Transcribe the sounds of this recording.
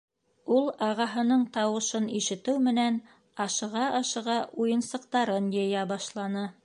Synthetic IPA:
ulˠɑʁɑɦɤ̆nɤɴt̪ɑwɤ̆ʃɤniʃɘ̆t̪ɘwmɘ̆næn | ɑʃɤ̆ʁɑʔɑʃɤ̆ʁɑʔujɤ̆nsɤ̆q̚t̪ɑɾɤnjɤ̆jæbɑʃlˠɑnɤ

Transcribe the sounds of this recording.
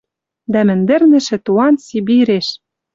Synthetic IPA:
d̪æmɘ̆nd̪ɘ̆rnɘ̆ʃɘ̆t̪uɑnsibiɾeʃ

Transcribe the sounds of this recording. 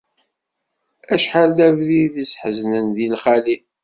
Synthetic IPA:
æʃħald̪ævðiðisħəznənðilχali

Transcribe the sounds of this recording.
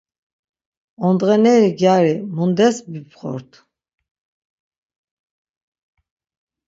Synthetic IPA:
ɔnd̪ʁɛnɛɾiɡjaɾimund̪ɛsbipχɔ̰ɾt̪ʰ

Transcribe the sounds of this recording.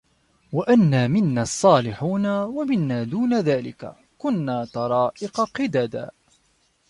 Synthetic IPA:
waʔanːaːmɪnːaːɑsˤːɑːlɪħuːnawamɪnːaːd̪uːnaðaːlɪ̰ka̰ | kʊnːaːt̪ɑɾˤɑːʔɪqɑqɪd̪aːd̪a̰ː

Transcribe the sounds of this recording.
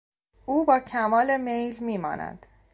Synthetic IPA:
uːbɒːcʰæmɒːle̞me̞jlmiːmɒ̰ːnæ̰d̪̥

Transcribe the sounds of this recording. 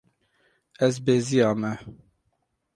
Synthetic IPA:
ɛzbeːzijɑːmɛ

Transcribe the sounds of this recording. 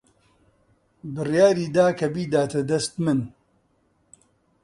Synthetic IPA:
bɨrjaːɾiːd̪aːkʰɐbiːd̪aːt̪ʰɐd̪ɐst̪mɨn

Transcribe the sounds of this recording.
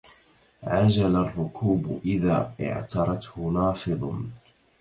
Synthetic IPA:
ʕad͡ʒalarˤːʊkʰuːbʔɪðaːʔɪ̰ʕt̪ɑɾˤɑt̪hʊnɑːfɨðˤ

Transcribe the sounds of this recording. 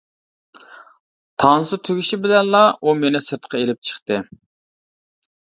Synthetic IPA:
t̪ʰɑnsɨt̪ʰøɡʲiʃɪbɪlɛnlˠɑʔumenɪsɨɾt̪qʰɑelɪp̚t͡ʃʰə̥χt̪ɨ

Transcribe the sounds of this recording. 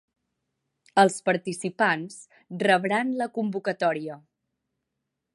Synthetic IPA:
əlˠspəɾt̪isipans | rəβɾanləkumbukət̪ɔɾiə

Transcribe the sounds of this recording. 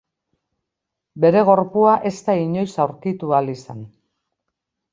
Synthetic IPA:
be̞ɾe̞ɣ̞o̞ɾpuaʔe̞st̪aiɲo̞jsawɾkit̪ualisan

